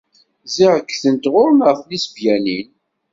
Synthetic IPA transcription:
zɪʁəkːθənt̪ʁʊɾnəʁθnisbjænin

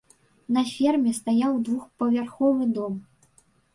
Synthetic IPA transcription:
nɐfʲɛrmʲɛst̪ajawd̪vuxpɐvʲarxɔvɨd̪ɔm

